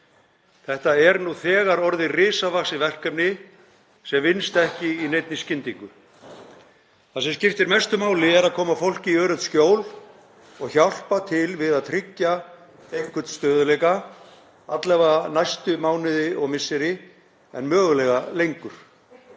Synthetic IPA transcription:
θɛht̪aɛɾnuθɛːɣaɾɔɾðɪrɪːsavaxsɪvɛr̥kapnɪ | sɛmvɪnst̪ɛhcɪinejt̪nɪscɪnt̪iŋkʏ | θaðsɛmscɪft̪ɪɾmɛst̪ʏmaːwlɪɛɾaðkʰɔːmafowl̥cɪiœːɾœt̪scoːwl | ɔɣçawl̥pat̪ʰɪlvɪðaðt̪ʰɾɪcːa | ejhkʰʏt̪st̪œːðʏlɛːka | at̪lɛvanajst̪ʏmaːwnɪðɪʔɔɣmɪsːɪɾɪ | ɛ̰nmœːɣʏlɛɣalejŋkʏɾ̥

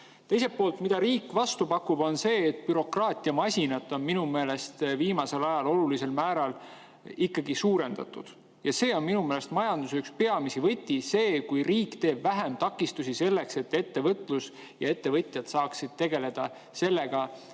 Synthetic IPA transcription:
t̪e̞jse̞poːlt̪mid̪̥ɑɾiːkːˑvɑst̪upɑkːub̥o̞nse̞ːt̪pyɾo̞krɑːt̪ʲˑiɑmɑsʲinɑt̪ːˑo̞nminume̞ːle̞st̪viːmɑse̞lɑjɑlo̞lulise̞lmæːɾɑl | ikːɑɡisuːɾe̞nd̪ɑ̰t̪ːṵd̪̥ | jɑse̞ːo̞nminumele̞st̪mɑjɑnd̪usykspe̞ɑmisivɤ̞t̪ʲːise̞ːkujriːkt̪e̞ːbvæɦe̞mt̪ɑkːˑist̪usise̞lːe̞kse̞t̪ːe̞t̪ːe̞vɤt̪ˑlus | jɑe̞t̪ːe̞vɤt̪ʲˑjɑd̪̥sɑːksid̪̥̚t̪eɡe̞le̞d̪̥ɑ | se̞lːe̞ɡ̥ɑ

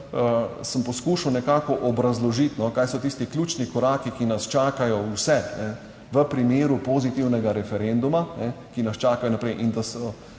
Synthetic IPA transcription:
əsəmpɔskuːʃɐwnɛkaːkɔʔɔbɾɐzlɔʒit̪nɔkaːjsɔt̪ist̪iklʲjuːt͡ʃnikɔɾaːkikinɐst͡ʃaːkajɔwsɛnɛ | ʋəpɾimeːɾupozit̪iwnɛɡaɾɛfɛɾɛnd̪umanɛkinɐst͡ʃaːkajɔnapɾɛjʔind̪asɔ

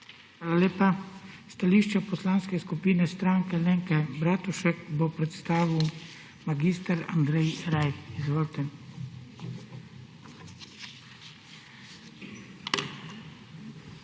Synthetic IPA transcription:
xʋaːlaleːpast̪aliːʃt͡ʃɛpɔslaːnskɛskupiːnɛst̪ɾaːŋkɛleŋkɛbɾaːt̪uʃɛkbopɾɛt̪st̪aːʋiw | maɡiːst̪aɾa̰nd̪ɾɛjɾajpizʋoːlt̪ɛ

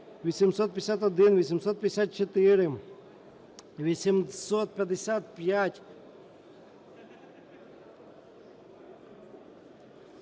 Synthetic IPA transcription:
ʋʲɪsʲɪmsot̪̚pʲɪsʲat̪ɔd̪invʲɪsʲɪmsot̪̚pʲɪɪsʲat̪̚t͡ʃɪt̪ɪɾɪ | ʋʲɪsʲɪmsot̪̚pʲɐd̪ʲɪsʲat̪̚pʲjatʲ

